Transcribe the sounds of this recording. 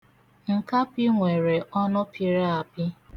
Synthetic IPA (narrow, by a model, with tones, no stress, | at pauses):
ŋ̩˨ka˦pi˦ŋʷe˨ɾe˨ʔɔ˦nʊ˦pʰi˨ɾa˦a˨bi˦